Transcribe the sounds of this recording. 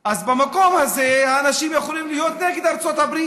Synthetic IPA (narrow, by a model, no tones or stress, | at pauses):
azbamako̞mhazehaːnaʃimjaχolimlijo̞t̪neɡed̪aʁt͡so̞t̪habɾi